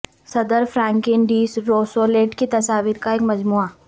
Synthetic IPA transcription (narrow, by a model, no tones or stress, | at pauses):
sɐd̪əɾfɾãːŋkɪnɖiːsɾoːsoːleːʈkit̪ɐsaːʋiɾkaeːkmɐd͡ʒmuːaː